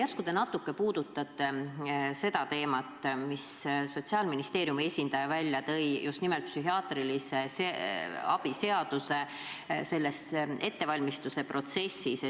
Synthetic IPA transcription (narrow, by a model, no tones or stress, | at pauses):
jɑskud̪enɑt̪ːˑukːe̞puːd̪̥ut̪ːˑɑt̪ːˑe̞se̞d̪̥ɑt̪e̞ːmɑt̪ːˑmisso̞t̪siɑːlminist̪e̞ːɾjumie̞sʲind̪̥ɑjɑvælʲːjɑt̪ɤ̞jjʔust̪nimelt̪̚psyɦiɑːt̪riliseseɑb̥ise̞ɑd̪̥use̞ | se̞lːese̞t̪ːe̞vɑlʲmist̪use̞pro̞t̪se̞sːis